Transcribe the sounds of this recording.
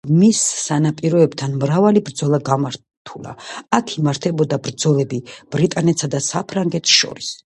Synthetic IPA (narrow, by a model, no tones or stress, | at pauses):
misːanapʼiɾɔɛbt̪ʰanmɾavalibɾd̪zɔlˠaɡamaɾ | t̪ʰula̰akʰimaɾt̪ʰɛbɔd̪abɾd̪zɔlɛbib̥ɾit̪ʼanɛt̪sad̪asapʰɾaŋɡɛt̪ʰʃɔ̰ɾis